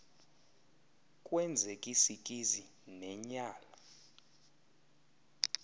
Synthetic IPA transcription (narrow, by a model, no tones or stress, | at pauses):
kʼwɛnd͡zʱekʼisik̬ʼizi | nɛɲaːla